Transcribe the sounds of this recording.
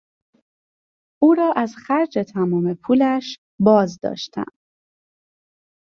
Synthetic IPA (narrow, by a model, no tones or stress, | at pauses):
ʔuːɾɒːʔæz̥xæɾd͡ʒe̞t̪ʰæmɒːme̞pʰuːlæʃ | bɒːzd̪ɒ̰ːʃt̪ʰæ̰n